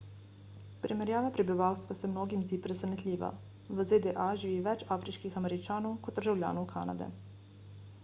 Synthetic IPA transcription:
pɾʔimɛɾjaːʋapɾɛbiʋawst̪ʋasɛmnoːɡimzd̪iːpɾɛsɛnɛt̪lʲiːʋa̰ | ʋəzed̪ɛʔaʒiiʋɛt͡ʃaːfɾiʃkixamɛɾit͡ʃaːnɔwkɔd̪d̪əɾʒawlja̰ːnɔwkʰa̰na̰d̪ɛ̰

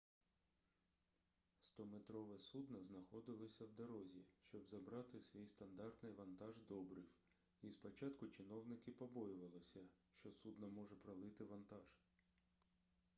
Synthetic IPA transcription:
st̪ɔmet̪ɾɔʋɛsud̪nɐznɐxɔd̪ɪlˠɔsʲɐwd̪ɐɾɔzʲiʃt͡ʃɔbzɐbɾɑt̪ɪsʲʋʲijst̪ɐnd̪ɑrt̪nɪjʋɐnt̪ɑʒd̪ɔbɾɪw | ispɔt͡ʃɑt̪kʊt͡ʃɪnɔwnɪkɪpɔbɔjʊʋɐlˠɪsʲɐʃt͡ʃɔsud̪nɐmɔʒɛpɾɐlˠɪt̪ɪʋɐnt̪ɑʒ̥

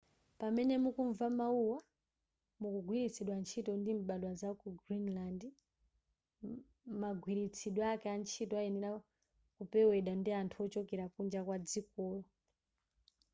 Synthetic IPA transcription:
pamɛnɛmukuɱvamauwa | mukuɡwiɾit͡sʰiɗwant͡ʃʰitɔndimɓalwazakuɡɾinland | maɡʱwiɾit͡sʰiɗwɔakɛant͡ʃʰitɔaɛnɛɾa | kupɛwɛɗandiantʰuɔt͡ʃɔkɛɾakund͡ʒakwad͡zikɔːlɔ

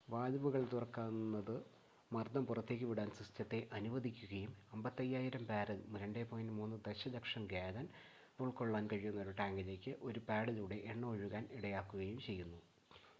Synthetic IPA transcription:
ʋaːlɐʋuɣɐɭt̪urɐkːaːnːɐðɨ | mɐrd̪ʱɐmpurɐt̪ːe̞ːk̬ʲːɨʋiɽaːnsistjɐt̪ːe̞ʔɐnuʋɐd̪ʱikʲːuɣɐjumɐmbɐt̪ːɐjːaːjiɾɐmpaːɾɐðmuɾɐɳɖeːpoːjinimuːnːɨd̪eɕɐlɐkʂɐmɡaːd̪ɐn | uɭko̞ɭːaːnkɐɻijunːɐo̞ɾuʈaːŋɡɐd͡ʑekʲːɨʔo̞ɾupaːɽɐluːɽe̞ʔeɳːɐoɻuɣaːniɽɐjaːkːuɣɐjumt͡ɕe̞jːunːu

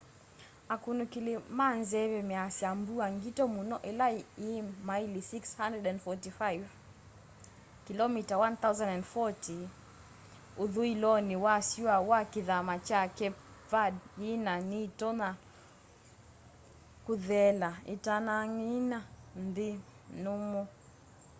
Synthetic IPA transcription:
akunukilimanzɛβɛmɛasiambuaŋɡitɔmunɔʔɛlaimailisikshandɛdɛndfɔtifajv | kilɔmitawanθawzãnɛndfɔti | uðuilɔniwasiwawakiðamat͡ʃakɛvadinanitɔna | kuðɛlaḭtanaŋinandi | numɔ

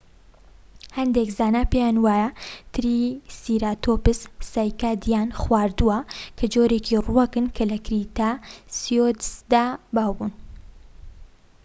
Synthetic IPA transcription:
hɐnd̪ekzaːnaːpejaːnwaːjɐt̪ʰɨɾisiːɾat̪ʰopɨssaːjkaːd̪ijaːnxwaːɾd̪uwɐkʰɐd͡ʒoːɾeːkʰiruwɐkɨnkʰɐlɐkɾit̪aːsijod̪sd̪aːbaːwbun

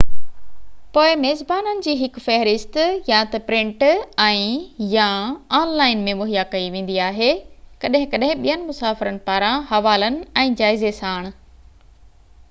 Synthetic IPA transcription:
poːɪmeːzbaːnənɪ̆d͡ʑiːɦɪkfɛɦɾɪst̪jãt̪ɐpɾɪ̃ɳʈɛ̃ːjãaːnlaːɪnmẽmʊɦijakɐiʋẽːn̆d̪iaːɦekɐɗɦɪ̃kɐɗɦɪ̃ɓijənɪ̆mʊsaːfɪɾənɪ̆paːɾãɦɐʋaːlənɪ̆ɛ̃ːd͡ʑaːɪzesaːɪɽ̃ʊ̆

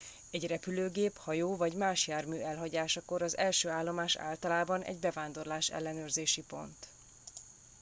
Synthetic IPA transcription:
ɛɟrɛpyløːɡeːphɒjoːvɒɟmaːʃjaːrmyːɛlɦɒɟaːʃɒko̞ɾɒzɛlʃøːaːlːo̞maːʃa̰ːlt̪ɒlaːbɒnʔɛ̰ɟbɛvaːnd̪o̞rlaːʃɛ̰lːɛnøːrzeːʃipo̞̰nt̪

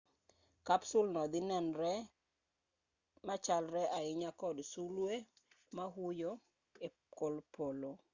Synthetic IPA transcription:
kapsulnɔd̪ɪnɛnɾɛ | mat͡ʃalɾɛʔaɪɲakɔdsulwe | maɦujo | e | kolpolo

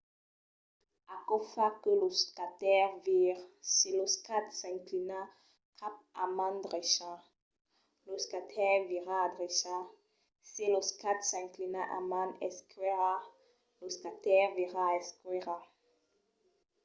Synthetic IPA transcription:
akɔfakəloskat̪ɛʁviʁsiloskat̪sɛ̃ŋklina | kʰap̚amãnd̪ʁeʃã | loskat̪ʰɛʁviʁaːd̪ʁeʃã | siloskat̪sɛ̃ŋklinaʔa̰mãnɛskeʁa | loskat̪ɛʁviʁaɛskeʁa

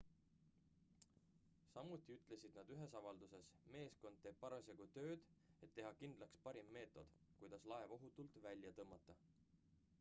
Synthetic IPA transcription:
sɑmut̪ˑːiyt̪ˑle̞sid̪̥nɑd̪yɦe̞sɑvɑld̪use̞sme̞ːsko̞nd̪̚t̪e̞ːb̥̚pɑɾɑseɡut̪ø̞ːd̪̥e̞t̪ːe̞ɦɑkind̪̥lɑkspɑɾimːe̞ːt̪ːˑo̞d̪̥kujd̪̥ɑslɑe̞vo̞ɦut̪ːˑult̪vælʲjɑt̪ɤmːɑt̪ˑːɑ

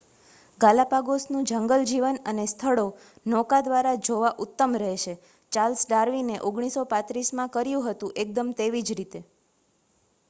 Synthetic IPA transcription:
ɡalapaɡosnũd͡ʒəŋɡəld͡ʒiʋənənest̪ʰəɭo | nɔkad̪ʋaɾad͡ʒoʋaʔut̪ːəmɾəɦeʃe | t͡ʃalsɖaɾʋineʔoɡɽ̃isopãt̪ɾismãkəɾjũɦət̪ũʔek̚d̪əmt̪eʋid͡ʒɾit̪e

